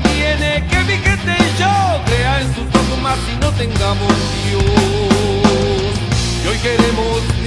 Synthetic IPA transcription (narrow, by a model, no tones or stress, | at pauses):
jenekeβiket̪eʒɔkɾeaẽnsut̪oðomaɾt̪inot̪ẽŋɡamonsio | iojkeɾemos